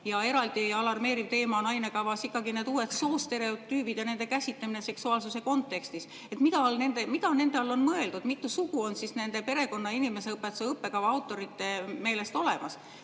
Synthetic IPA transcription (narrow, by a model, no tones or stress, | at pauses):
jɑe̞ɾɑld̪̥iɑlɑrme̞ːɾivt̪e̞ːmɑnɑjne̞kɑvɑsikːˑɑɡineːd̪uːe̞t̪so̞ːst̪e̞ɾe̞ot̪yːb̥id̪̥jɑne̞nd̪e̞kæsʲit̪lɑmineseksuɑːlsuse̞ko̞nt̪ːˑe̞kst̪is | e̞t̪mid̪ɑlne̞nd̪̥emid̪ɑne̞nd̪e̞ɑlːo̞nmɤe̞ld̪ud̪̥mit̪ːˑusuɡ̥uo̞nsisne̞nd̪̥e̞pe̞ɾe̞ko̞nːɑinime̞se̞ɤpːˑe̞t̪useɤpːe̞kɑvɑɑwt̪ːˑo̞ɾit̪ːe̞me̞ːle̞st̪o̞le̞mɑs